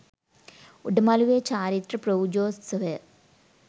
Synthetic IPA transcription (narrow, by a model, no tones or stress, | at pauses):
uɖɐmaːluʋeːt͡ɕaːɾit̪rɐpɾɐwd͡ʒoːssɐʋe